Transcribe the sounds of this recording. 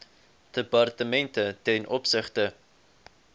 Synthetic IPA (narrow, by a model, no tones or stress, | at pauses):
d̥əpɐrtəmɛntətɛnʔɔpsəχtə